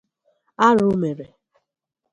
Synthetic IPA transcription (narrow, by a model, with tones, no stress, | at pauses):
a˦ɾu˦me˨ɾe˨